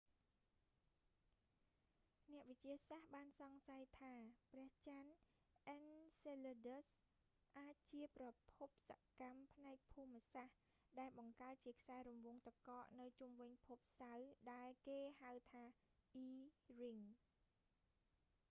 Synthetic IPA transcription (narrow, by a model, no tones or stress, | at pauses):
nɛ̆əʔʋɨc̚t͡ɕiəsahɓaːnsɑŋsajt̪ʰaːprɛ̆əht͡ɕan | ʔɛnseləɗəs | ʔaːc̚t͡ɕiəprɑpʰup̚sa̰kampʰnaɛk̚pʰuːmːəsah | ɗaɛlɓɑŋkaət̪̚t͡ɕiəkʰsaɛɾumʋʊəŋt̪akɑːʔnɨwt͡ɕumʋɨɲpʰup̚sawɗaɛlkeːhawt̪ʰaːʔiːriŋ